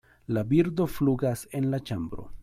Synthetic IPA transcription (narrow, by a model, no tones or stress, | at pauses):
labiɾdo̞fluɡase̞nlat͡ʃambɾo̞̰